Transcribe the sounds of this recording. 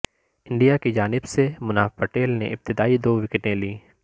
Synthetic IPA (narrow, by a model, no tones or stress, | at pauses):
ɪ̃ɳɖijakid͡ʒaːnɪbsemʊnaːfpɐʈeːlnḛʔɪb̚t̪ɪd̪aːid̪oːʋɪkɪʈẽliː